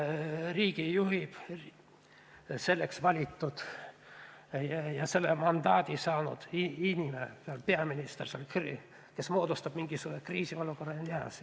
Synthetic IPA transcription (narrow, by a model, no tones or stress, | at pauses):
riːɡ̥ijuɦib̥ | se̞lːeksvɑlʲit̪ːud̪̥ | jjɑse̞lːemɑnd̪ɑːd̪̥ʲisɑːnṵd̪̥iinʲimesɑlpeɑminist̪erseolkr | kesmo̞ːd̪ust̪ɑb̥miŋɡ̥isuːɾekriːsio̞luko̞rːɑliɑ̰s